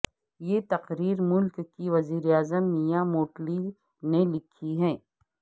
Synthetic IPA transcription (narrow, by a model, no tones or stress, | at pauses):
jet̪ɐqɾiːɾmʊlkːiʋɐziːɾeaːzəmnijamoːʈli | nelɪkʰiɦɛ̃ː